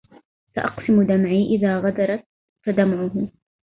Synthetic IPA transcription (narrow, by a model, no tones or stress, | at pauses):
saʔɑ̰qsɪmʊd̪amʕiːʔɪðaːɣad̪ɑɾˤɑt̪̚ | fad̪amʕʊɦʊ